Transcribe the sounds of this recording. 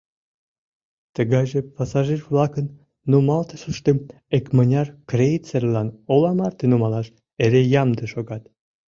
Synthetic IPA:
t̪əɣɑjʒepɑsɑʒirvlɑkənː | umɑlt̪əʃuʃt̪em | ekmənʲɑrkrejt͡serlɑnolɑmɑrt̪enumɑlɑʃ | eɾejɑmd̪əʃoɣɑt̪

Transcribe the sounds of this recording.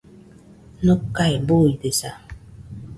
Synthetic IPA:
nukːajboidesa

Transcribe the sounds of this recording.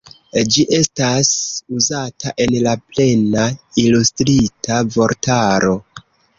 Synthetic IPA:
d͡ʒiʔe̞stasuzataʔe̞nlaple̞nailustɾitavo̞ɾtaɾo̞

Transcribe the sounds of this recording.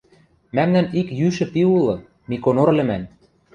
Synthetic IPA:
mæmnænikjyʃɘ̆piulˠɤ̆ | mikonorlʲɘ̆mæn

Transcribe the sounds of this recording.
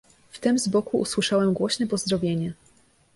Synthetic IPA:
ft̪ɘmzbɔkuʔṵswɘʂawɛmɡwɔɕnɛpɔzd̪ɾɔvʲjeɲɛ

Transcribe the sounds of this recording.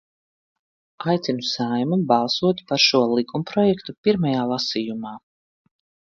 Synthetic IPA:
ajt̪sinusajmubɑlˠsuɔt̪paɾʃuɔlˠikumpɾɔjɛkt̪upiɾmajaːlˠasijumaː

